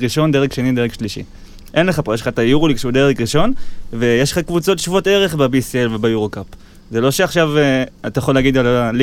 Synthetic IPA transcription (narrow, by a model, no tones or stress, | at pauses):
iʃo̞nd̪eʁeχʃe̞nide̞ʁeχʃliʃḭ | ʔe̞nleχapojeʃlχat̪ajuʁolikʃeud̪eʁeχʁiʃo̞nvejeʃlχakvut͡so̞t̪ʃuvuote̞ʁe̞χbabisielvebajuʁokap | ze̞lo̞ʃeaχʃaveat̪ajaχo̞leaɡid̪alal